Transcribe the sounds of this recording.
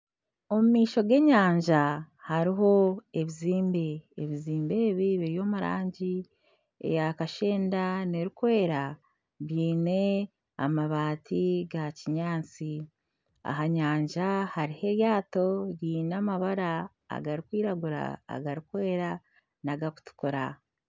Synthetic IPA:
o̞mumiːʃo̞ɡe̞ɲaːɲʒa | haɾiɦo̞e̞βiziːmbe̞ːβiziːmbeβiβejo̞ːmuɾa̰ːɲɟi | ḛjakaʃe̞ːndaneɾikwe̞ːɾa | βjiːne̞ | a̰maβaːtʰiɡaciɲaːt͡si | a̰ɦaɲaːɲʒahaɾihe̞ɾjaːto̞ɾiːnamaβaɾa̰ː | ɡaɾikwiːɾaɡuɾa̰ːɡaɾikwe̞ːɾa | naɡaku̥tu̥koɾa

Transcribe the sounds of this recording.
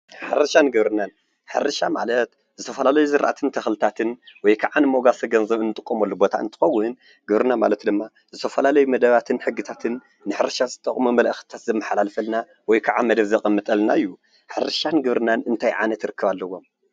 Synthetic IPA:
ħɨɾɐʃanɡɨβɾɨnan | ħɨɾɐʃama̰lɐt̪ | zɨt̪ʰɐfɐlalɐjuzɨɾʔa̰t̪ʰɨnt̪ʰɐxlɨt̪ʰat̪ʰɨnwɔjkʰaʕanɨmo̞ɡasʰɐɡɐnzɐβɨnːɨt̪ʼɨkʼːomɐlːubo̞t̪ʰa̰ɨnt̪ʰɨ̥xɐwːʊn | ɡ̥ɨβɾɨnama̰lɐt̪d̪ɨmːa | zɨt̪ʰɐfɐlalɐjumɐd̪ɐβat̪ʰɨnħɨɡːɨt̪ʰat̪ʰɨnː | ɨħɨɾɐʃazɨt̪ʼɐkʼmumɐlʔɐxt̪ʰat̪zɐmːɨħalalɐfɐlna | wɔjkʰaʕamɐd̪ɐβzɐkʼɐmːɨt̪ʼɐlnaɨjːu | ħɨɾɨʃanɡɨβɾɨnanɨnt̪ʰajʕa̰nɐt̪ɾɨkːɨβalːɐwo̞m

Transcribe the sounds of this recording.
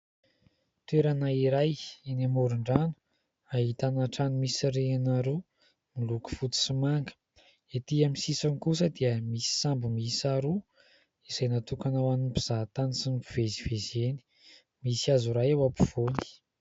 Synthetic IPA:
t̪weɾanaiɾajenamoɾuɳɖ͡ʐanu̥ | aɦit̪anaʈ͡ʂanimisiɾeanaɾu | miluku̥fut̪u̥simaŋɡə̥ | et̪iamisisanikus̬əd̪iəmisi̥sambumisaɾu | iz̥ajnat̪ukanawanunpiz̥aɦt̪anisinipiv̥ezivezeni̥ | misiazuɾajewapu̥v̥oni̥

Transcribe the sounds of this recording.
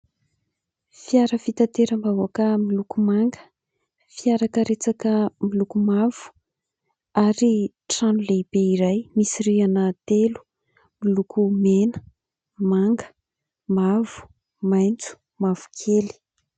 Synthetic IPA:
fiaɾəfit̪at̪eɾəmbawakəmilukumaŋɡə̥ | fiaɾakəɾet͡sakəmilukumav̥u̥ | aɾi | ʈ͡ʂanuleib̥eiɾajmisirianət̪elu̥ | milukʰumenə̥ | maŋɡə̥ | mavu̥ | majnt͡su̥ | mav̥u̥kʰeli̥

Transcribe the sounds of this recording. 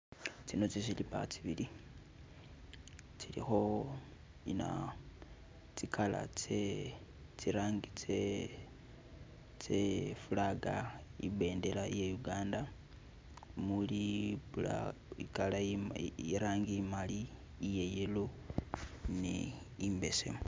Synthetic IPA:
t͡sino̞t͡sesilipa̰t͡siβili | t͡silḭxo̞ | ina̰ | t͡sikʰala̰t͡se | t͡siɾaːŋɡit͡se | t͡sefulaɡaḭbe̞ːndelaijejuɡaːnda | mulilaikalaiɾaːŋɡimaliː | je̞jelo | nḛ | imbe̞se̞̰mo

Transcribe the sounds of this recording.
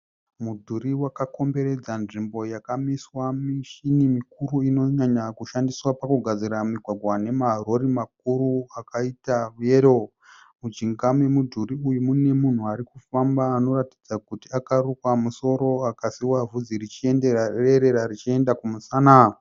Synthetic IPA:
mudʱuɾiwakako̞mbe̞ɾe̞d͡zanʐimbo̞jakamiswamiʃinimikuɾuino̞ɲaɲakuʃandiswapakuɡʱad͡ziɾamiɡʱwaɡʱwane̞maɦɾoɾimak̚uɾuakaitaʋuje̞ɾo | mud͡ʒiŋɡamwemudʱuriujumune̞mun̤uaɾikufambaːno̞ɾati̥d͡zakutiakarukwamuso̞ɾo̞akasiwavud͡ziɾit͡ʃie̞ndeareɾe̞ɾaɾit͡ʃie̞ndakumusaːna

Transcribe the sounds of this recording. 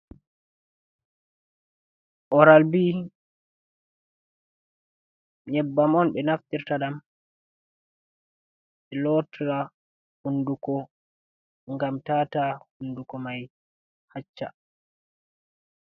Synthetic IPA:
ʔɔɾalbiː | ɲɛbːamɔnɓɛnaftiɾtaɗam | ɓɛlɔtʰɾa | hundukɔ | ŋɡamtaːtahundukɔmaj | hat͡ʃːa̰

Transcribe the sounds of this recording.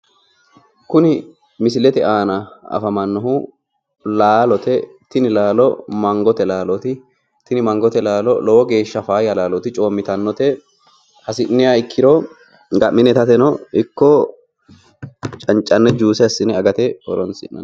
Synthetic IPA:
kʊnɪ | mɪsɪlɛt̪ɛʔaːnɐɐ̰fɐmɐnːɔhʊ | laːlɔt̪ɛ | t̪ɪnɪlaːlɔmɐŋɡɔt̪ɛlaːlɔt̪ɪ | t̪ɪnɪmɐŋɡɔt̪ɛlaːlɔ̰lɔwɔɡe̞ːʃːɐfaːjɐlaːlɔt̪ɪt͡ʃʼoːmːɪt̪ɐnːɔt̪ɛ | hɐsɪnːɪjaːɪkʰːɪɾo | ɡɐmːɪnɛt̪ɐt̪ɛnɔɪkːɔ | t͡ʃʼɐnt͡ʃʼɐnːɛd͡ʒuːsɛɐsːɪnɛɐɡɐt̪ɛhɔ̰ɾɔnsɪ̰nːɐ̰n

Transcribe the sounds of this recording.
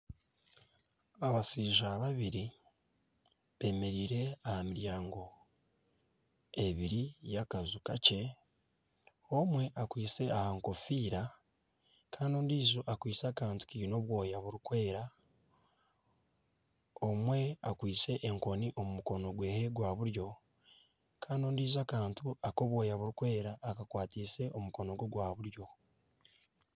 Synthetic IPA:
aβasiːʒaβaβiɾi | βe̞me̞ɾiːɾe̞ahamiɾjaːŋɡo̞ | e̞βiɾijakazukace̞ | o̞mwe̞ʔakwiːse̞ahaŋko̞fiːɾa | kʰaːndoːndiːzuʔakwiːsakaːntu̥kiːino̞βwo̞ːjaβuɾukwe̞ːɾa | omwe̞akwiːt͡se̞ʔeŋko̞niʔo̞mumuko̞no̞ɡwe̞ːheɡwaːβuɾjo̞ | kʰaːndoːndiːzakaːntuako̞βwo̞ːjaβuɾukwe̞ːɾaːkakwaːtiːse̞ʔomuko̞no̞ɡoɡwaːβuɾjo̞

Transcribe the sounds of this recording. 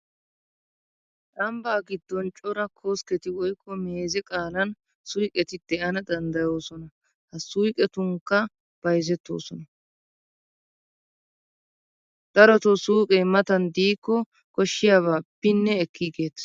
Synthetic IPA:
ʔɐmbaːɡɪd̪ːɔnt͡ʃʼɔɾɐkʰoːskɛt̪ɪwɔjkʰːɔmeːzɛkʼaːlɐn | sʊjkʼɛt̪ɪd̪̥ɛɐnɐd̪ɐnd̪ɐjo̞ːsɔnɐ | hɐsʊjkʼɛt̪ʊŋkːɐ | b̥ɐjzɛt̪ːo̰ːsɔnɐ | d̪̥ɐɾɔt̪ɔsuːkʼemɐt̪ɐnd̪iːkːɔ | kɔʃːɪjaːβaːb̥ɪnːɛːkːiːɡe̞ːt̪

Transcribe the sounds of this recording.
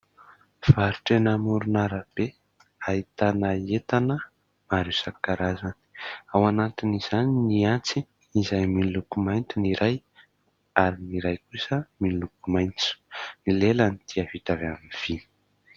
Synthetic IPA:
v̥aɾuʈ͡ʂenamuɾunaɾəb̥e | ait̪anaet̪anə | maɾusakaɾazani̥awanat̪iniz̥aniniant͡siː | zajminilukumajnt̪iniɾaj | aɾiniɾajkusəminlukumajnt͡su̥nilelənit̪ʰiavit̪aveaminv̥i

